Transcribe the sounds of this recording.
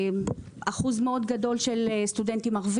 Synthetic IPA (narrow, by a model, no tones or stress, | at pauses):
aχuzmeo̞d̪ɡado̞lʃelst̪udent̪imaʁv